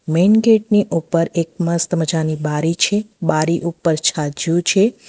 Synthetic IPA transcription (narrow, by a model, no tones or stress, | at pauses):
menɡeʈ̚niʔupːəɾek̚məst̪məd͡ʒanibaɾit͡ʃʰebaɾiʔupːəɾt͡ʃʰad͡ʒjũt͡ʃʰe